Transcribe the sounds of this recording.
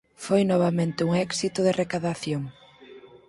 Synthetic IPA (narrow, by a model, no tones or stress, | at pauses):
fojnɔβamẽnt̪ɪuŋɛksit̪ʊðɪrekaðaθjoŋ